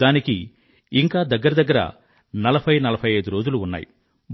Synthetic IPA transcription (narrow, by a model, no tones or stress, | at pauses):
aːnikiː | ŋkaːd̪ɐɡːɐɾɐd̪ɐɡːɐɾɐ̰ | nɐlɐbʰʱɐjnɐlɐpʰɐjɐjd̪uɾoːd͡ʒuluːnːa̰ːjḭ | b